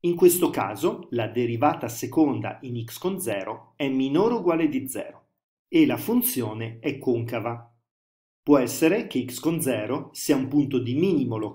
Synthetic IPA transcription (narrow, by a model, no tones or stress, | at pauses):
iŋkwest̪oka̰ːzolad̪eɾivaːt̪asekond̪a̰inikskond̪zɛːɾoɛmːinoɾuɡwaːled̪id̪zːɛ̰ːɾo | elafunt̪sjoːneɛkːoŋkava | pwɔɛsːeɾek̟eikskond̪zɛːɾosiːaumpunt̪od̪imiːnimolo